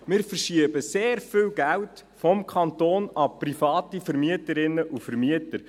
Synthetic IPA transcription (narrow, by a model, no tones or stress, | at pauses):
mɪːɾfərʃiəbəseːɾfɪːlɡæwt | fɔmkʰɑntoːnɑprifɑːtifəɾmiətəɾɪnːəʔufəɾmiətəɾ